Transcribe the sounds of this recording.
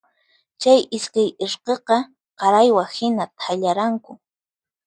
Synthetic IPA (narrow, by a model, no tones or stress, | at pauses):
t͡ʃajʔɪskajɪɾqeqɑ | qɑɾajwahɪnat̪ʰaʎaɾaŋkʊ